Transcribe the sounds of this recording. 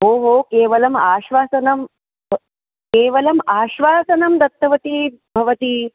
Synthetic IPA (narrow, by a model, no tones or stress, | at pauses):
ɦoːɦoːkeːʋɐlɐmaːʃʋaːsɐnɐm | bʱ | keːʋɐlɐmaːʃʋaːsɐnɐmd̪ɐt̪ːɐʋɐt̪i | bʱɐʋɐt̪i